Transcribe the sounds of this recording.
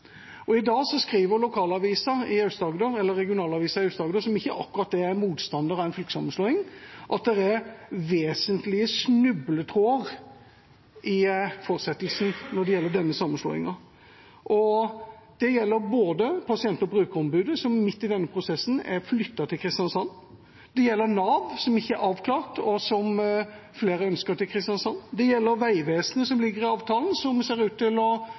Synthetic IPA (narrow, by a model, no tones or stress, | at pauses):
ɔɪd̪ɑːsɔskɾiːʋəɾlʊkʰɑːlɑʋiːsɑɪɑʉst̪ɑːɡd̪øɾɛlːəɾːɛɡɪʊnɑːlɑʋiːsɑɪœʉst̪d̪ɑːɡd̪əːsɔmɪçːəʔɑkːʉɾɑt̪̚d̪ɛæmuːt̪st̪ɑnd̪əɾɑɛɪnfylkə̥sɑmːənsloːɪŋʔɑt̪̚d̪ɛɾæɾʋeːsənt̪lɪəsnʉblət̪ʰɾoːəʁ | ɪfɔɾsɛt̪əlsnnɔd̪ɛjɛlːəɖ̪ɛnːəsɑmːənslo̰ːɪ̰ŋɑ | ʔɔ | d̪̥ɛjɛlːəɾboːd̪əpʰɑsɪɛnt̪ɔbʁʉːkəɾɔmbʉːd̪əsɔmmɪt̪ːɪd̪ɛnːəpʰʁʊsɛsːn̩æɾflʏt̪ːɑt̪ʰɪlkʰɾɪst̪jɑnsɑnː | d̪̥ɛjɛlːəɾnɑːʋsɔmɪçːəæɾɑːʋkʰlɑːʁt̪ʰɔsɔm | fleːɾəœnskəɾt̪ʰɪlkʰɾɪst̪jɑnsɑnːd̪ɛjɛlːəɾʋæɪʋeːsnəsɔmlɪɡːəɾɪɑːʋt̪ʰɑːlnsɔmseːɾʉːt̪ːɪlɔ